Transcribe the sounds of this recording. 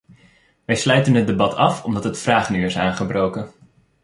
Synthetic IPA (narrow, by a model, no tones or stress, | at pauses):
ʋɛjslœɥtənɦəd̚ebɑtʰɑfɔmdɑtɦətfraːχnyɪsaːnχəbrowkə